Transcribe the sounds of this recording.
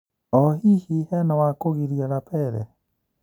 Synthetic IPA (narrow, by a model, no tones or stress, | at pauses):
ɔhihihɛnawakoɣiɾjalapʰɛɾɛ̰